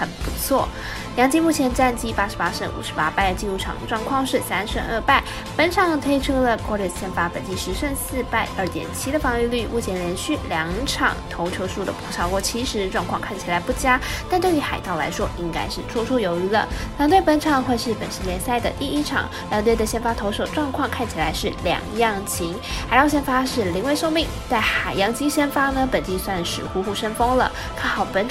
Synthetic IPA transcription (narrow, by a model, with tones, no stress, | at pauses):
xə˨˩npu˧˥t͡sʰwɔ̰˥˩ | ljɑ˧˥ŋt͡ɕi˥mu˥˩t͡ɕʰjɛ˧˥nʈ͡ʂa˥˧nt͡ɕi˥pa˥ʂɻ̩˧˥pa˥ʂə˥˩nʔṵ˨˩ʂɻ̩˧˥pa˥pa˥˩ɪd̪ə˩t͡ɕi˥˧nɻu˥˩ʈ͡ʂʰɑ̰˨˩ʈ͡ʂwɑ˥˧ŋkʰwɑ˥˧ŋʂɻ̩˥˩sa˥nʂə˥˧˥ə̰˞˥˧pa˥˩ɪ | pə˧˥nʈ͡ʂʰɑ˨˩ŋt̪ʰwe˥ɪʈ͡ʂʰɤ˥lə˨kwɔ˥˧ly˥˧˩ɕɛ˥˩nfa˥pə̰˨˩nt͡ɕi˥˧ʂɻ̩˧˥ʂə˥˧nsɹ̩˥˧pa˥˧ɪʔə˥˩t̪jɛ̰˨˩nt͡ɕʰi˥d̪ə˨fɑ˧ŋy˥˧ly˥˩mu˥˩t͡ɕʰjɛ˧˥nɻɛ˧˥nɕy˥˩ljɑ˧˥ŋʈ͡ʂʰɑ̰˨˩ŋt̪ʰo˧˥ʊt͡ɕʰjo˧˥ʊʂu˥˩d̪ə̰˩pʰu˧˥ʂɑ˥ʊkwɔ˥˩t͡ɕʰi˧˥ʂɻ̩˧˥ʈ͡ʂwɑ˥˧ŋkʰwɑ˥˧ŋkʰa˥˩nt͡ɕʰi˨˩la˧˥ɪpu˥˩t͡ɕja˥t̪a˥˧nt̪we˥˩y˧˥xa˨˩ɪt̪ɑ˥˩ʊla̰˧˥ɪʂwɔ˥ʔi˥ŋka̰˥ɪʂɻ̩˥˧ʈ͡ʂʰwɔ˥˧ʈ͡ʂʰo˥ʊjo˧˥ʊy˧˥lə̰˧˩nɑ˧˥t̪wɪpə˧˥nʈ͡ʂʰɑ˨˩ŋxwe˥˧ɪʂɻ̩˥˩pə˨˩nʂ̩˧˥ljɛ˧˥nsa˥˩ɪd̪ə̰˨˩t̪i˥˩i˥ʈ͡ʂʰɑ̰˨˩ŋ | a˧˥t̪wd̪ə˨ɕjɛ˥˧nfa˥t̪ʰo˧˥ʊʂo˨˩ʊʈ͡ʂwɑ˥˧ŋkʰwɑ˥˧ŋkʰa˥˩nt͡ɕʰi˨˩la˧˥ɪʂɻ̩˥˩ljɑ̰˨˩ŋjɑ˥˩ŋt͡ɕʰi˧˥ŋxa˨˧ɪ˥˧ʊɕjɛ˥˧nfa˥ʂɻ̩˥˩li˧˥ŋwe˥˧ʂo˥˧ŋmi˥˧˩ŋt͡sa˥˩ɪxa˨˩ɪjɑ˥ŋt͡ɕi˥ɕə˥nfa˥nə˨pə˨˩nt͡ɕi˥˧swa˥˧nʂɻ̩˥˧xu˥xu˥˩ʂə˥nfɤ˥ŋlə̰˨ | k̪ʰa˥˩xɑ˨˩ʊpə˧˥n